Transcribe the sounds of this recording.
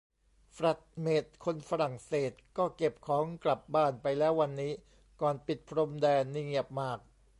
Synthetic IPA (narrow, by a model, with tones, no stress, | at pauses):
fɾa˨˩t̪̚meː˨˩t̪̚kʰo˧nfa˧ɾa˨˩ŋseː˨˩t̪̚kɔː˥˩ke˨˩p̚kʰɔː˩˦ŋkla˨˩p̚baː˥˩npa˧jlɛː˦˥wːa˧nːiː˦˥ | kɔː˨˩npi˨˩t̪̚pʰɾo˧mdɛː˧nːi˧ŋi˨˩əp̚maː˥˩k̚